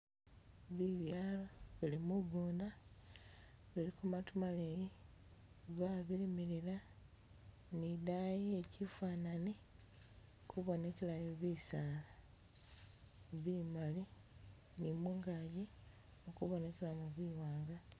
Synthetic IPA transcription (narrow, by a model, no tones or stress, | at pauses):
βiβjaːloβilimuβuːnda | βilikumatumaleji | βaβilimiɾila | nidajeːcifaːnani | kʰuβo̞ne̞ke̞lajoβisaːla | βimali | nimuːŋɡaji | okuβo̞ne̞ke̞lamuβwiːwaːŋɡa